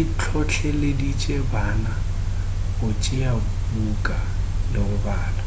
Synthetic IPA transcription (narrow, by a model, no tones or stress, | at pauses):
it͡ɬʰɔt͡ɬʰɛlɪdit͡ʃʼebaːna | hʊt͡ʃʼɪa | bukʼa | lɪʊbaːlɔ